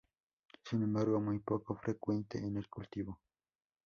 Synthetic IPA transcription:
sɪnemaɾwamajpokofɾʔekwent̪eʔeneɾkult̪iβo

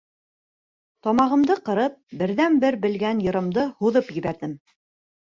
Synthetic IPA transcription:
t̪ɒmɑʁɤ̆md̪ɤqɤ̆ɾɤp̚bɘ̆ɾðænbɘɾbɘ̆lɡænjɤ̆ɾɤ̆md̪ɤhuðɤpjɘ̆βæɾðɘm

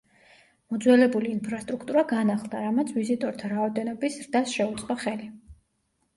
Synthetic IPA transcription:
mɔd̪zwɛlɛbuliːnpʰɾast̪ʼɾukʰt̪ʼuɾaɡanaχlˠd̪aɾamat̪sʰvizit̪ʼɔɾt̪ʰaɾaɔd̪ɛnɔbisɾd̪asʃɛut̪sʼqʼɔχɛli

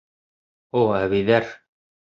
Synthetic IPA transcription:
oæβiðæɾ

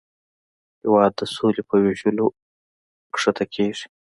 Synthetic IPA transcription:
hɪwɑːd̪ːəsolepəweʒəlo | kʂat̪ʰakʰeʐi̥

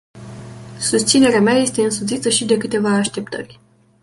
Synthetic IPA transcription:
sust̪sine̞ɾeameaje̞st̪e̞ɨnsut̪sit̪əʃid̪e̞kɨt̪e̞vaːʃt̪e̞pt̪ə̰rʲ

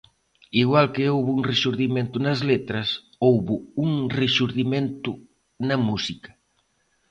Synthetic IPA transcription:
iɣwalkeowβuuŋreʃuɾðimẽnt̪unɐzlet̪ɾɐs | owβuuŋreʃuɾðimẽnt̪ʊ | nɐmusikɐ̥

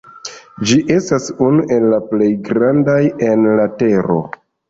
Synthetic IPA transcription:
d͡ʒiʔe̞stasunuʔe̞lːaple̞jɡɾandaje̞nlate̞ɾo̞̰

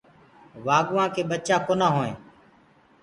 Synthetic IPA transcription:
ʋaːɡʊʋãːkʰeːɓət͡ʃãːkʰoːnãːɦoːḛ̃ː

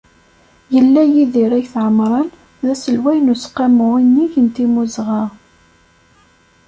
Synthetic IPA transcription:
jəlːæjiðiɾæjθʕəmɾˤɑn | ðæsəlwæjnusqːɑmʊʁinːiʝənt̪imuzʁɑ

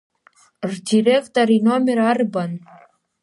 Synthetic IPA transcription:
rdʲirʲekt̪orinomʲeɾɑrbɑn

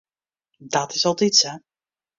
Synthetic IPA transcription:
dɔtɪsɔlˠditsɛ

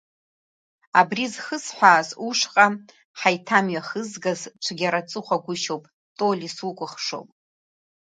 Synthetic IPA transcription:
abrizχəsħʷaːzuʂqʼa | ħajtʰamɥaχəzɡazt͡ʃʷʰaɡʲaɾat͡sʼɨχʷaɡʷʊʃowpʼ | tʼolʲiswukʷʼʊχʂo̰wpʼ

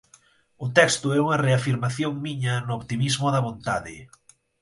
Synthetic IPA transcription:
ʊt̪ɛkst̪ʊɛuŋɐreafiɾmaθjoŋmiɲɐnʊoβt̪imizmʊðɐβont̪aðɪ

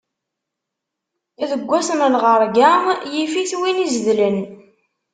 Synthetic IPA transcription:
æðəɡʷːæsənnʁəɾˤɡamjifiθwinizðlən

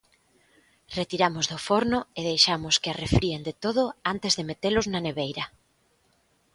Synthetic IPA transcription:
ret̪iɾamʊzðʊfoɾnʊeð̞ejʃamʊskɪarefɾiend̪et̪oð̞ʊant̪ɪzðemet̪elʊznɐneβejɾɐ

